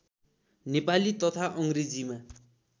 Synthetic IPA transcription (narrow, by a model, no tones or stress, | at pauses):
nepalit̪ʌt̪ʰaʔʌŋred͡zima